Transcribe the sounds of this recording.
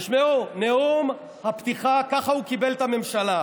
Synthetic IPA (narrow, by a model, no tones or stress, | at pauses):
ʃmeoneom | hapt̪iχakaχaukibe̞lt̪ame̞mʃala